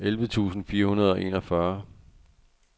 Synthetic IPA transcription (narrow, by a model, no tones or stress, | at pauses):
elʋət͡sʰṵːsn̩fiːɐhunɐð̞ˠɒ̽ʔe̝̰nɒfɶɐ